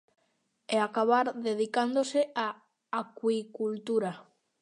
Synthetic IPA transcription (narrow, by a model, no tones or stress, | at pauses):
eakaβaɾðeð̞ikand̪oseaː | kwikult̪uɾa